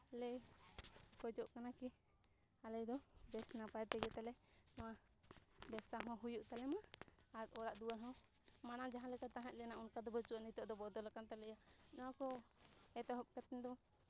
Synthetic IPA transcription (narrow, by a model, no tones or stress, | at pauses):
alɛj | kɔd͡ʒɔʔkanaki | alɛjd̪ɔbɛsnapajt̪ɛɡɛt̪alɛnɔwa | bɛbsaɦɔ̃ɦujuʔt̪alɛmaːɾɔɽaʔd̪uwaɦɔ̃ | manad͡ʒaɦãlɛkat̪aɦaʔ̚lɛnaunkad̪ɔbət͡ʃuanit̪ɔʔd̪ɔbɔd̪ɔlakant̪alɛjanɔwakɔɛt̪ɔɦɔp̚kat̪ɛnd̪ɔ